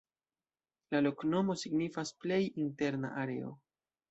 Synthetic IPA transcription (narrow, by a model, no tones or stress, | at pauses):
lalo̞kno̞mo̞siɡnifasple̞jinte̞ɾna̰ʔaɾe̞̰o̞̰